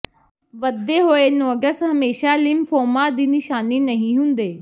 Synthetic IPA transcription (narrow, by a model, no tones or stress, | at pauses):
ʋɐd̪eɦoːenoːɡəst̪ɦɐmeːʃalɪmfoːmad̪iːnɪʃaːninɐɦĩɦʊ̃ːnd̪eː